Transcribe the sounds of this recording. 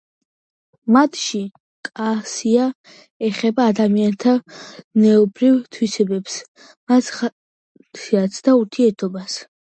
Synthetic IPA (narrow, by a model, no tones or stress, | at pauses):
mat̪ʰʃi | kʼasia | ɛχɛbaːd̪amiant̪ʰanɛɔbɾivt̪ʰwisɛbɛps | mas | t̪at̪sʰd̪auɾt̪ʰiɛɾt̪ʰɔbas